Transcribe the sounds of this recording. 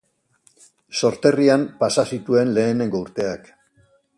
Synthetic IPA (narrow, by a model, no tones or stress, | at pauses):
so̞ɾt̪e̞riampasasit̪ue̞nle̞ːne̞ŋɡo̞uɾt̪e̞ak